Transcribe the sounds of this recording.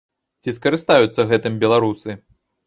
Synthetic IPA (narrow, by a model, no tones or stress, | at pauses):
t͡sʲiskɐɾɨst̪ajut̪sːɐɣɛt̪ɨmbʲɛlˠaɾusɨ